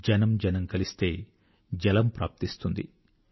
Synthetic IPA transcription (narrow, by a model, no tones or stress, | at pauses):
d͡ʒɐnɐmd͡ʒɐnɐmkɐlist̪e̞ː | d͡ʒɐlɐmpɾa̰ːp̚t̪ist̪und̪ḭ